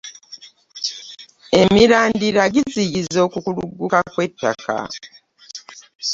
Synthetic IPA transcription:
e̞miɾaːndiɾaɡiziɟizo̞ːkukulṵɡːukakwe̞tːa̰ka̰

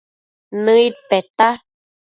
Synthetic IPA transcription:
nɨit̪̚pet̪a

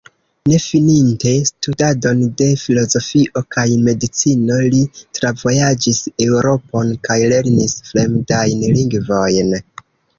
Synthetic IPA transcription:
ne̞fininte̞studado̞nde̞filo̞zo̞fiʔo̞kajme̞dit͡sino̞litɾavo̞jad͡ʒise̞uɾo̞po̞nkajle̞ɾnisfɾe̞mdajnliŋɡvo̞jn

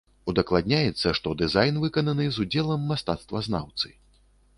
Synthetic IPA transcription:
ud̪ɐklˠad̪̚ʲnʲajɛt̪sːɐʂt̪ɔd̪ɨzajnvɨkɐnɐnɨzud͡zʲɛlˠɐmːast̪a̰t̪st̪vɐzna̰wt̪sɨ

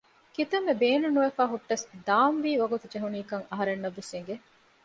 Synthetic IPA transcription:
kit̪ɐmːebeːnunuʋefaːɦuʈːɐsd̪aːmʋiːʋɐɡut̪ud͡ʒeɦuniːkɐŋɐɦɐɾenːɐʋːeseŋɡe

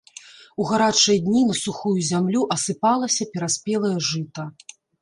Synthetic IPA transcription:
uɣaɾat͡ʂɐjd̪ʲnʲinɐsuxujuzʲamlʲuʔɐsɨpalˠɐsʲɐpʲɛɾasʲpʲɛlˠɐjɐʐɨt̪ɐ

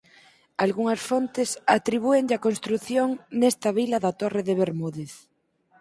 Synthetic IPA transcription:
alɣuŋɐsfont̪ɪsat̪ɾiβ̞ueŋʎakonst̪ɾuθjoŋnɛst̪ɐβilɐðat̪oreðeβeɾmuðeθ

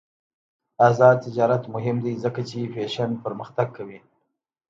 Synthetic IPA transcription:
azɑd̪̚t̪ɪd͡ʒɑɾat̪mʊɦɪmd̪ajzəkat͡ʃefeʃanpəɾməxt̪aɡ̚kʰawi

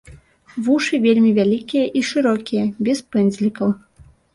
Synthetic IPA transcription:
vuʂɨvʲelʲmʲivʲalʲikʲijɐʔiʂɨɾɔkʲijɐbʲɛspɛnʲzʲlʲikɐw

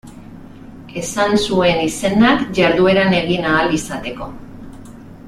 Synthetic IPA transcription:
e̞sansue̞nise̞nakʝaɾðue̞ɾane̞ɣ̞inaːlisat̪e̞ko̞

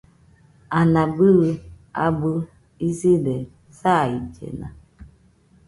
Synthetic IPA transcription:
anabɨɣ | a̰bə | izidɛ | said͡ʒɛ̰na̰

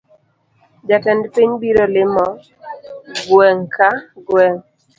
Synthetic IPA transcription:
d͡ʒatɛndpiɲbiɾɔlɪmɔ | ɡwɛŋkʰaɡwɛŋ

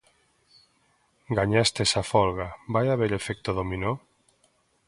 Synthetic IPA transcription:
ɡaɲast̪esafɔlɣabajaβeɾefek̚t̪oðomino

